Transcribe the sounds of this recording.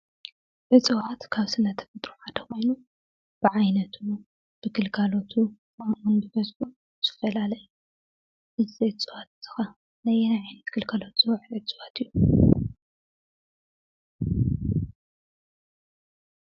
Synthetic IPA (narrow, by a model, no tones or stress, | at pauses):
ʕɨt͡sʼɨwat̪kʰaβsɨnːɐt̪ʰɐ̥fɐt̪ʼɾuħad̪ʰɐxo̞jnu | b̥ɨʕajnɐt̪ʰu | b̥ɨɡɨlkʰalo̞t̪ʰukʰɐmʔunbɨbɐzħu | z̥ɨ̥fɐlalɐju | ʔɨzet͡sʼɨwat̪̚z̥ɨ̥xɐ | nɐjenajʕajnɐt̪ɡ̥ɨlkʰalo̞t̪z̥ɨwʕɨlɨt͡sʼɨwat̪ʰɨjːu